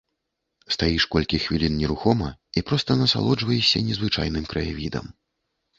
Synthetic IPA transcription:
st̪ajiʂkɔlʲkʲixvʲilʲinnʲɛɾuxɔmɐipɾɔst̪ɐnɐsa̰lˠɔd͡ʐvɐjɛsʲɐnʲɛzvɨt͡ʂa̰jnɨmkɾɐjavʲid̪ɐ̰m

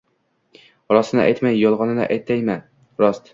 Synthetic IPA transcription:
ɾɒsnɪ̰ʔa̰jt̪majːɒlˠʁɒnɪna̰ʔajt̪ːajma | ɾɒst̪

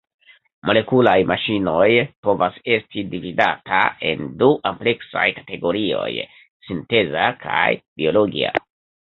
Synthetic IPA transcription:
mʔo̞le̞kulajmʔaʃino̞jpo̞vase̞stidividatae̞̰nduʔample̞ksa̰jkḁte̞ɡo̞ɾio̞̰j | sinte̞zakʰajb̥io̞loɡia̰

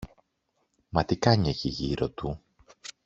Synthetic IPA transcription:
mɐt̪ikɐɲeçiʝiɾot̪u

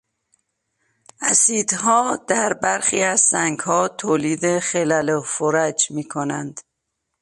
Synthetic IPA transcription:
ʔæsiːd̪ɦɒːd̪̥æɾbæɾxiːæzsæŋɡhɒːt̪ʰoːliːd̪e̞χelælofoɾæd͡ʒmiːkʰonænd̪̥

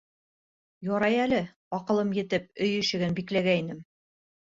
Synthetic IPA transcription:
jɒɾɑjælɘ | ɒqɤ̆lˠɤmjɘ̆t̪ɘp̚ɵjɘ̆ʃɘ̆ɡɘnbiklæɡæinɘm

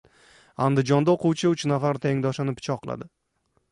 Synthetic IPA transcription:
and̪ɪd͡ʒɒnd̪aoqʊwt͡ʃʰɪʊt͡ʃnafaɾt̪ʰeŋd̪ɒʃɪnɪpʰɪ̥t͡ʃʰɒqʰːɨlˠa̰d̪ɪ

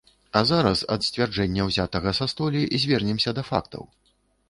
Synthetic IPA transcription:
ɐzaɾɐsɐ̰t̪sʲt͡sʲvʲard͡ʐɛnʲːɐwzʲat̪ɐɣɐsɐst̪ɔlʲizʲvʲɛrnʲɛmsʲɐd̪ɐfa̰kt̪ʰɐ̰w

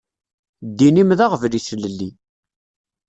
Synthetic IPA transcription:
d̪ːinimðaʁəvlisləlːi

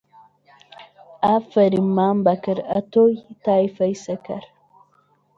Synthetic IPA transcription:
ʔafɐɾimːambɐkɐɾɐtojt̪ajfɐjsɐkɐ̰ɾ

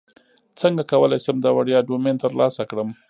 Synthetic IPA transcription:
t͡səŋɡakawəlajsəmd̪awaɽjɑɖoment̪əɾlɑsakɽəm

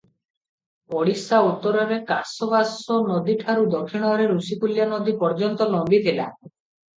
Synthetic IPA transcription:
ɔɽisaut̪ːɔɾɔɾekasɔbasɔnɔd̪iʈʰaɾud̪ɔkʰːiɽ̃ɔɾeɾusikuljanod̪ipɔɾd͡ʒɔnt̪ɔlɔmbit̪ʰila̰

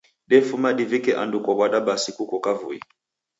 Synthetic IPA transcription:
ɗɛfumaɗivikɛʔa̰ndukɔkwaɗaɓasikukɔkavṵḭ

